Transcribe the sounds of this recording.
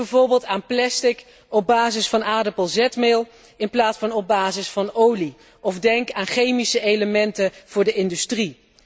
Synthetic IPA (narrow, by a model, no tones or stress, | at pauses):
bɛvʊːɹbɪːlˠtaːnplɛstɪk | ɔb̚baːzɪsfɑnaːdəpəlˠzɛtmɪlˠ | ɪnplaːtsfɑnɔb̚baːzɪsfɑnowli | ʔɔvdɛŋkaːnχejmisəejləmɛntəv̥ʊːɹdəʔɪndystri